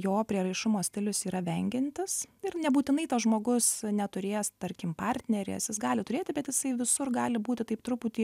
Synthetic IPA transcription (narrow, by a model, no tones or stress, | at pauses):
joːpʲɾʲiɛɾɐɪʃʊmoːsʲt̪ʲɪlʲʊsiːɾɐʋʲɛŋʲɡʲɪnʲt̪ʲɪsɪɾnʲɛbuːt̪ʲɪnɐɪt̪ɐsʒmoːɡʊsnʲɛt̪ʊɾʲeːst̪ɐɾʲkʲɪmpɑɾʲt̪ʲnʲɛɾʲḛsjɪsɡɑːlʲɪt̪ʊɾʲeːt̪ʲɪbʲɛt̪jɪsɐɪʋʲɪsʊrɡɑːlʲɪbuːt̪ʲɪt̪ɐɪpt̪ɾʊpuːt̪ʲiː